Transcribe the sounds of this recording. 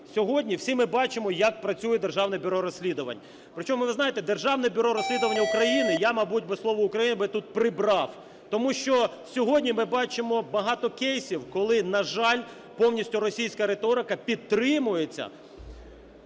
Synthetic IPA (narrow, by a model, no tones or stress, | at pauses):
sʲɔɦɔdʲnʲiwsʲimɪbɑt͡ʃɪmɔjɐk̚pɾɐt͡sʲujɛd̪e̞rʒɑwnɛbʲʊɾɔɾɔsʲlʲid̪ʊʋɐ̰nʲ | pɾɪt͡ʃɔmʊʋʊʋɪznɑjet̪ɛd̪erʒɑwnɛbʲʊɾɔɾɔsʲlʲid̪ʊʋɐnʲːɐukɾɐjinɪjamɐbutʲbɪslˠɔʋɔʊkɾɐjinɪbɪt̪ut̪̚pɾɪbɾɑw | t̪ɔmuʃt͡ʃɔ | sʲɔɦɔdʲnʲimɪbɑt͡ʃɪmɔbɐɦɑt̪ɔkɛjsʲiwkɔlˠɪnɐʒɑlʲ | pɔwnʲisʲtʲʊɾɔsʲijsʲkɐɾet̪ɔɾɪkɐpʲid̪t̪ɾɪmʊjet͡sʲːɐ̰